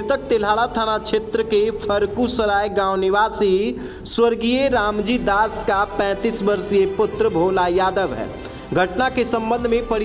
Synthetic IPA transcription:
t̪ək̚t̪elɦaːɭat̪ʰanat͡ʃʰeːt̪ɾəkepʰəɾkusəɾaːjɡãːʊnɪʋaːsi | swəɾɡijeɾaːmd͡ʒid̪aːskapɛ̃ːt̪iːsbəɾsijepʊt̪ɾəbʱoːlajaːd̪əʋɦɛ̰ː | ɡʱəʈnakesə̃mbə̃nd̪ʱmẽpəɽ

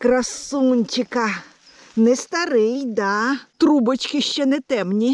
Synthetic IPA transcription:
kɾɐsunʲt͡ʃɪkɐ | nɛst̪ɐɾɪjd̪at̪ɾubɐt͡ʃkʲɪʃt͡ʃɛnɛt̪ɛmnʲi

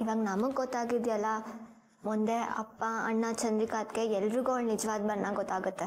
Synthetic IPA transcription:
iʋaːɡɐnɐmɐɡːɔt̪ːaːɡid̪jɐlːɐ | mund̪e̞ɐ̰pːɐɐ̰ɳːɐt͡ʃɐnd̪ɾikaːt̪keɛlːɾuɡuaɭnid͡ʒɐʋaːd̪bɐnːaɡɔt̪ːaːɡut̪ːe

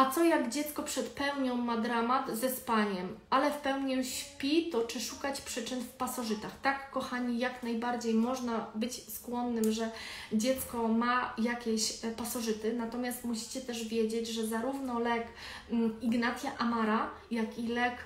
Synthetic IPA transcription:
at̪sɔjaɡd͡ʑɛt̪skɔpʂɛt̪pɛwɲɔ̃w̃mad̪ɾamat̪zɛspaɲɛmalɛfpɛwɲɔɕpʲit̪ɔt͡ʂɘʂukat͡ɕpʂɘt͡ʂɘnfpasɔʐɘt̪axt̪akːɔxaɲijaknajbaɾd͡ʑejmɔʐnabɘt͡ɕskwɔnːɘmʐɛd͡ʑɛt̪skɔmajakʲeɕpasɔʐɘt̪ɘnat̪ɔmʲjast̪muɕi̥t͡ɕɛt̪ɛʐvʲjɛd͡ʑed͡ʑʐɛzaɾuvnɔlɛk | iɡnat̪sʲjaʔamaɾajakilɛk

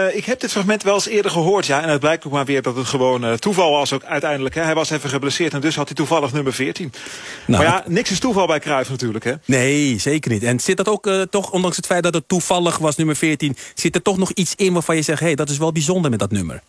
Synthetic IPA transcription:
ɪkɦɛp̚dɪtfraxmɛntʋɛlˠsɪːədəɹχəɦoːɹtjaɛndɔd̚blɛjk̚tok̚maːɹʋɪːɹdɔtətχəʋoːnətuvɑlˠʋɑsokœɥtɛjndələkɦɛɦɛjʋɑsɛfəχəblɛsɪːɹtɛndɵshɑtituvɑlˠəχnøməɹvɪːɹtinna̰maɹjanɪksɪstuvɑlˠbɛjkrœɥfnatyːɹləkɦɛneːseːkərnitɛnsɪt̚dɔtoːktɔxɔndɑŋsətfɛjt̚dɔtətːufɑlˠəxʋɑsnyməɹfɪːɹtinsɪtətɔxnɔxitsɪnʋaːɹfɑnjəzɛxhejdɔtɪs̬ʋɛlˠbizɔndəɹmɛt̚dɔtnømə̰rɹ

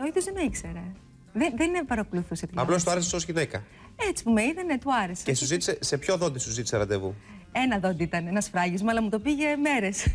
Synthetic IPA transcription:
oiðozðenɐikse̞ɾe | ðenðeninepɐɾɐkuluθuset̪iɐplost̪uɐɾesesosçiðekɐ | et͡si̥pumeiðenet̪uɐɾeseesuzit̪i̥sese̞pçoðo̞nd̪isuzit̪i̥seɾɐd̪evu | e̞nɐðo̞nd̪iit̪ɐnenɐsfɾɐʝizmɐlɐmut̪o̞piʝe̞me̞ɾe̞s

